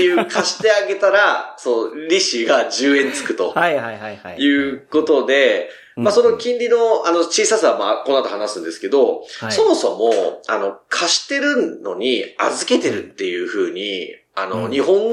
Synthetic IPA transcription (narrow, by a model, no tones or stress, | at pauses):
jɯːkʰaɕi̥t̪e̞aɡe̞t̪aɾasonoɾʲiɕiɡaʑɨːẽ̞nt͡sɨ̥kɯ̟t̪o̞haajɯ̟ːko̞t̪o̞d̪e̞ | maso̞no̞kʲĩnɾʲino̞ano̞t͡ɕiːsasaβamaːko̞noat̪ohanasɨ̃nd̪e̞sɨ̥ke̞d̪o̞so̞mo̞so̞mo̞a̰no̞kʰaɕi̥t̪e̞ɾɯ̟nːo̞̰ɲ̟ia̰zɨke̞t̪e̞ɾɯ̟t̪ːe̞jɯ̟ɸɯ̟ːɲ̟ḭ | ano̞ɲ̟iɦõ̞ŋ